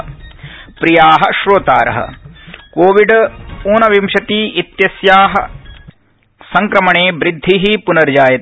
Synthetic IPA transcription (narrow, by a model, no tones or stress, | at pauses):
pɾijaːɦɐ̆ʃɾoːt̪a̰ːɾɐ̰ɦɐ̰koːʋiɖuːnɐʋimʃɐt̪iːʔit̪jɐsjaːɦɐ | sɐŋkɾɐmɐɳeːbɾɪd̪ʱːiɦipunɐɾd͡ʒaːjɐt̪